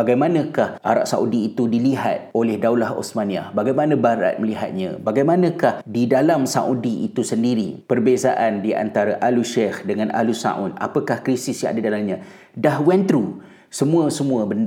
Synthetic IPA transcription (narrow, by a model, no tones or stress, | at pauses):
aɡajmanə̃kahʔa̰ɾa̰ʔ̚saʔudiːt̪udiliɦa̰t̪̚olɛhdawlaɦo̰smanĩa̰baɡajmanãbaɾa̰t̪̚məliɦat̪̚ɲã̰baɡajmanə̃kahdidalamsa̰ʔudiʔit̪usəndiɾipərbezaʔandia̰nt̪aɾaʔaluʃɛhdəŋãna̰lusa̰ʔʊna̰pəkahkɾisɪsjã̰ŋa̰dadalamɲã | dahwɛnt̪ɾu | səmũəsəmũəbənd